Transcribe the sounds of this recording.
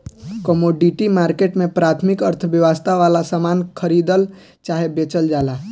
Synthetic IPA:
kəmoɖiʈimaɾkeʈmẽpɾat̪ʰmikəɾt̪ʰəʋjəʋəst̪aʋalasəmankʰəɾid̪əl | t͡ʃaɦebet͡ʃəld͡ʒala

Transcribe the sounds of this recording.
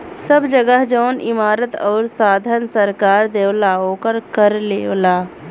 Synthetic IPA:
səbd͡ʒəɡəɦd͡ʒɔːnʔɪ̰maːɾət̪ɔːɾsaːd̪ʱənsəɾkaːɾd̪eːʋlaːokəɾkəɾleːlaː

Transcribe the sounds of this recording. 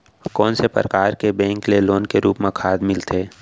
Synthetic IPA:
kɔːnsepə̰ɾəkaːɾkebɛ̃ːŋkleloːnkeɾuːpmẽkʰaːd̪mɪlt̪ʰeː

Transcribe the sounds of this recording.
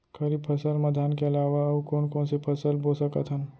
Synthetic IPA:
kʰɐɾipʰɐsəlmɐd̪ʱaːnkeɐlaːʋaɐʋkoːnkõːnsepʰɐsəlboːsəkət̪ɦən

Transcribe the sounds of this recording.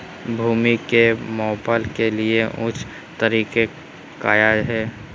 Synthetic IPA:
bʱuːmikemɔːpəlkelieʔʊ̃t͡ʃʰ | t̪əɾiːke | kaːjaːd͡ʒɦɛː

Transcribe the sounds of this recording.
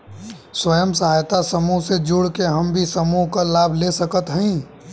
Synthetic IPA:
swəjəmsəɦaːjt̪asəmuɦsed͡ʒuɽkeɦəmbʱisəmuɦkalaːbʱlesəkət̪ɦə̃ĩ

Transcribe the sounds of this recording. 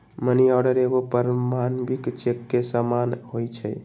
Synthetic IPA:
məniaɽəɾeɡopəɾmanbikt͡ʃekːesamanɦojt͡ʃʰɛ

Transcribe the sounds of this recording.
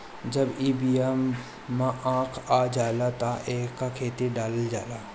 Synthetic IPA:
d͡ʒɐbiːbiamː | ãʔãːkʰaːd͡ʒaːlat̪aʔeːkːakʰeːt̪iɖaːld͡ʒaːlaː

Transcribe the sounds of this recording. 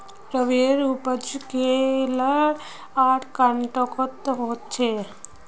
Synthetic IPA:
pɾəʋeɾupət͡ʃkelaɽ | aʈʰkaɳʈɔkɔt̪ɦot̪t͡ʃʰe

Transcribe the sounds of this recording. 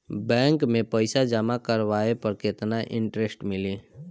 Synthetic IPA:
bɛ̃ːŋkmẽpəɪsad͡ʒəmakəɾʋaːepɐɾkɪt̪naʔɪ̰̃ɳʈɾesʈmɪliː

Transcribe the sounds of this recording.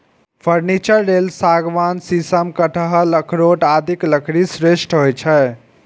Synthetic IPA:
pʰəɾnit͡ʃəɾːelsaɡʋansisəmkəʈʰəɦələkʰɾoʈad̪ʱikləkʰɾisɾeʃʈɦojt͡ʃʰɛ

